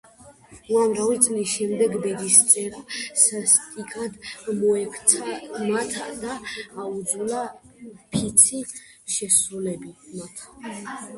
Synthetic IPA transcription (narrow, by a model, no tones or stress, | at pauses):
uamɾavit̪sʼlisʃɛmd̪ɛɡbɛd̪ist̪sʼɛɾasast̪ʼikʼad̪mɔɛkʰt̪sʰamat̪ʰad̪aːud̪zulapʰit̪sʰi | ʃɛsɾulɛbimat̪ʰ